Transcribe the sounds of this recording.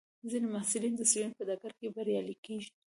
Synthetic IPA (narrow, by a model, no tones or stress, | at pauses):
zinemahsɪlind̪əsilunpəd̪akaɾkebaɾjɑlikeʒi